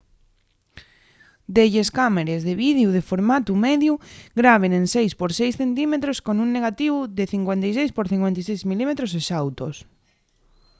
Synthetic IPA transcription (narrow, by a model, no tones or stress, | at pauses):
d̪eʎeskameɾezðeβiðjuð̞efoɾmat̪umeðjuɡɾaβ̞enensejspoɾsejsθent̪imet̪ɾoskonuŋneɣat̪iβʊðeθiŋkwent̪ejs̬ejspoɾθiŋkwent̪esejzmilimet̪ɾos̬esawt̪os